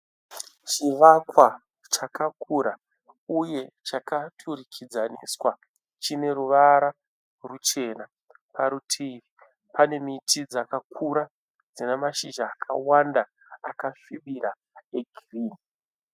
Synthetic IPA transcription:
t͡ʃiʋakwa | t͡ʃakakʰuɾa | uje̞t͡ʃakatʰurikʰid͡zanḭswa | t͡ʃine̞ɾuʋaɾa | rut͡ʃe̞ːna | paɾutʰiːʋi | pane̞mitʰid͡zakakʰuɾa | d͡zinemaʃiʒaːkʰa̰wandaː | kafiɓiɾa | eɡʱiriːni

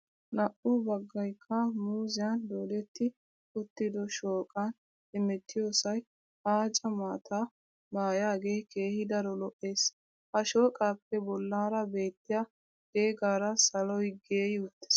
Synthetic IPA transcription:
nɐʔʊbɐɡːɐjkʰːɐmuːzɪjɐnd̪oːlɛt̪ːɪ | ʊt̪ːɪd̪ɔʃoːkʼɐn | ɪmɛt̪ːɪjoːsɐj | haːt͡ʃʼɐmaːt̪ʰa | maːjaːɡe̞ːke̞ːhɪd̪ɐɾɔlɔʔːe̞ːs | hɐʃoːkʼaːpːɛbɔlːaːɾɐbe̞ːt̪ːɪjɐ | ɡ̥e̞ːɡaːɾɐsɐlɔjɡe̞ːjɪʊt̪ːɪ̥s

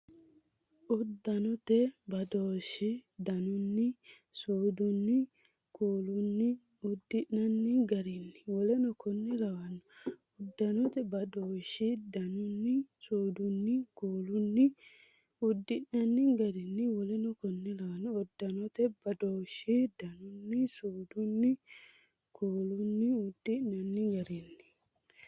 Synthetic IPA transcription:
ʔʊd̪ːɐnɔt̪ɛbɐd̪oːʃːɪd̪ɐnʊnːɪ | suːd̪ʊnːɪ | kuːlʊnːɪ | ʊd̪ːɪnnɐnːɪɡɐɾɪnːɪwɔlɛnɔkɔnːɛlɐwɐnːɔ | ʊd̪ːɐnɔt̪ɛbɐd̪oːʃɪd̪ɐnʊnːɪsuːd̪ʊnːɪkuːlʊnːɪ | ʊd̪ːɪʔnɐnːɪɡɐɾɪnːɪwɔlɛnɔkɔnːɛlɐwɐnːɔːd̪ːɐnɔt̪ɛbɐd̪oːʃid̪ɐnʊnːɪsuːd̪ʊnːɪ | kʰuːlʊnːɪʊd̪ːɪʔɐnːɪɡɐɾɪnːɪ̥

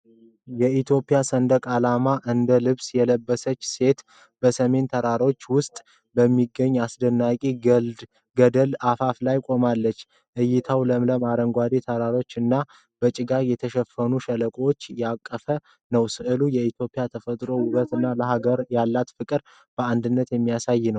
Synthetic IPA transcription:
jɛit̪jo̞pʼijasənd̪əkʼalamaʔɨnd̪əlɨβsjɛləbːəsət͡ʃːse̞t̪ | bəsəme̞nt̪ʰəɾaɾo̞t͡ʃːwʊst̪ʼ | bəmːiɡːəɲːasd̪ənːakʼi | ɡəd̪əlafaflajkʼo̞malːət͡ʃː | ʔɨjːɪt̪ʰawləmləmaɾəŋɡʷad̪et̪ʰəɾaɾo̞t͡ʃːɨnːa | b̥ət͡ʃʼɪɡajɛt̪ʰəʃɛfːənuʃələkʼwt͡ʃːjɛakʼːəfə | nəwsɨʔɨlujɛit̪jo̞pʼːijat̪ʰəfət̪ʼɾo̞wʊβət̪ɨnːaləɦaɡəɾjalːat̪fɨkʼɨɾ | b̥əand̪ɨnːət̪jɛmːijasajːɪnəw

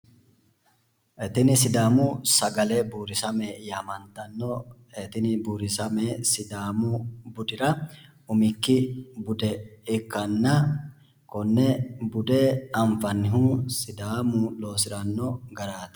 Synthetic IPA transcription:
ʔɛt̪ɪnɪsɪd̪aːmʊsɐɡɐlɛbuːɾɪsɐmɛjaːmɐnt̪ɐnːɔ | ɛt̪ɪnɪbuːɾɪsɐmɛsɪd̪aːmʊbʊd̪ɪɾɐ | ʊmɪkːɪbʊd̪ɛɪkːɐnːɐ | kɔnːɛbʊd̪ɛɐɱfɐnːɪɦuːsɪd̪aːmʊlo̞ːsɪɾɐnːɔɡɐɾaːt̪

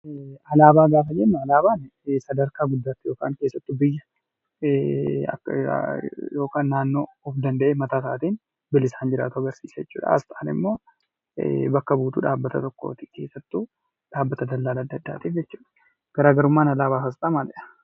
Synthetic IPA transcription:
ɐlaːbaːɡaːfɐd͡ʒɛnːɐɐlaːbaːnsɐd̪ɐɾkaːɡʊd̪ːaːt̪ːɪjo̞ːka̰ːŋke̞ːsːɐt̪ːʊbɪjːɐ | ɐ̰kː | jo̞ːkaːnːaːnːo̞ːɔfd̪ɐnd̪ɐʔeːmɐt̪aːsa̰ːt̪iːn | bɪlɪsaːnd͡ʒɪɾa̰ːt̪ʊɐɡɐɾsḭːsɐjɛt͡ʃːṵːᶑɐ̰ɐ̰st̪a̰ːnɪ̰mːo̞̰ː | bɐkːɐbuːt̪ṵːᶑaːbːɐt̪ɐt̪ɔkːo̰ːt̪ɪ̥ke̞̰ːsːɐt̪ːu | ᶑaːbːɐt̪ɐd̪ɐlːaːlɐd̪ːɐd̪ːa̰ːt̪iːfd͡ʒɛt͡ʃːuːᶑɐ̥ | ɡ̥ɐɾaːɡɐɾʊmːaːnɐlaːβaːkɐst̪ʼamalɛᶑɐ̥

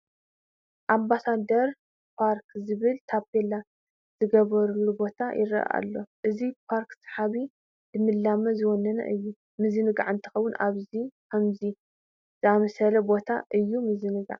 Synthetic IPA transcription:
ʔambasad̪ɐɾ | pʰaɾkzɨβɨlt̪ʰapʰela | z̥ɨɡɐβɐɾulubo̞t̪ʰajʔɪɾɐ̰ʔa̰lːo̞ʔɨzipʰaɾksħaβi | d̥ɨmɨlːamɐzɨwɔnːɐnɐ̰ʔɨjːu | mɨzɨnɨɡa̰ʕɨnt̪ʰɨ̥xɐwːunʔaβzikʰɐmzi | z̥ɨamɐsɐlɐbo̞t̪ʰaʔɨjːumɨzɨnɨɡa̰ʕ

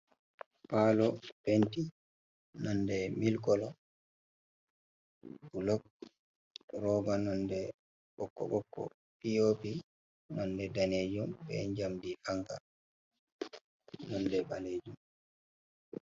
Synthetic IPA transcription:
palɔpenti | nɔndɛmilkɔlɔ | bulɔk̚ | ɾɔːɡanɔndɛ | ɓɔkːɔ̰ɓɔkːɔ̰ | pijopi | nɔndɛdaned͡ʒumbɛ̰ɲd͡ʒamdihaŋka̰ | nɔndɛɓaled͡ʒum

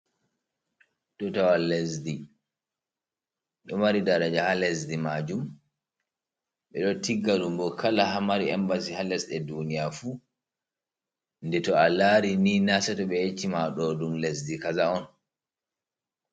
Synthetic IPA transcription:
tɔtawalːesdi | ɗɔmaɾidaɾad͡ʒahalɛsdimad͡ʒum | ɓɛɗɔtiɡːadumbɔkʰalahamaɾiɛmbasihalɛsɗɛdunijafu | ndɛtɔalaɾininasɛtɔɓɛjet͡ʃːimaɗɔdumlesdikazaɔn

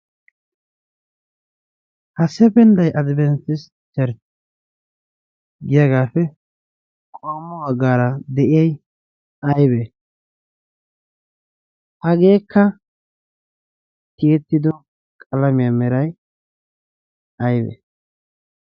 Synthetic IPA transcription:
hɐsɛbɛnd̪ɐjʔɐd̪bɛntːɪs | t͡ʃɛɾt | ɡɪjɐɡaːfɛ | kʼoːmːɔwɐɡaːɾɐd̪ɛʔɪjɐj | ɐjbɛ | hɐɡe̞ːkʰːɐ | t̪ɪjɛt̪ːɪd̪ɔ | kʼɐlɐmɪjamɛɾɐj | ɐjbɛ̰

